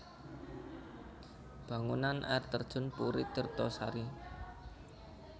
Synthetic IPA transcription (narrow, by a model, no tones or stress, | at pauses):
b̥ä̤ŋunanʔɛrt̪ərd̥ʒ̥ʊ̤npuɾɪ̰t̪ərt̪ɔsa̰ɾi